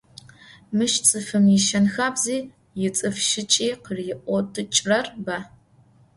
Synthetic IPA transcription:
mɨʃt͡sʼɨfɨmɪʃɐnxaːbziː | jɪt͡sʼɨfʃɪt͡ʃʼiːqərjɪʔʷɔtʰʼɨt͡ʃʼrɐrbɐ

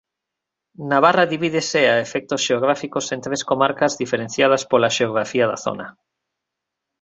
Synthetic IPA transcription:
naβ̞araðiβið̞eseaefek̚t̪osʃeoɣ̞ɾafikosẽnt̪ɾeskomaɾkazðifeɾen̟θjað̞aspolaʃeoɣ̞ɾafiaðaθo̰na

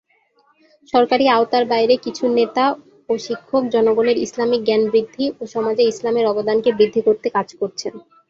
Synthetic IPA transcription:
ʃɔɾkaɾiaot̪aɾbajɾekit͡ɕʰunet̪a | oʃikʰːok̚d͡ʑɔnoɡoneɾislamik̚ɡɛnbɾid̪ʱːiʔoʃɔmad͡ʑeislameɾɔbod̪ankebɾid̪ʱːikoɾt̪ekad͡ʑkoɾt͡ɕʰen

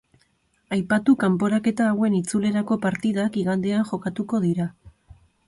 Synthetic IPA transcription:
ajpat̪ukampo̞ɾake̞t̪aːwe̞nit͡sule̞ɾako̞paɾt̪iðakiɣand̪e̞aŋxo̞kat̪uko̞ðiɾa

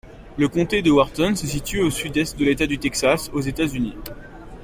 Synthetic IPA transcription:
ləkɔ̃t̪ed̪əwaʁt̪ɔnsəs̬it̪yosyd̪ɛst̪̚d̪əlet̪ad̪yt̪ɛksasozet̪azyni

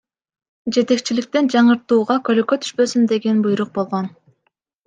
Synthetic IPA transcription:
d͡ʒe̞t̪e̞k̚t͡ʃilik̚t̪end͡ʒɑɴɯɾt̪uːʁɑkøløkøt̪ʰy̥ʃpø̞symd̪e̞ɡe̞nbujɾuq̚bo̞lˠʁo̞n

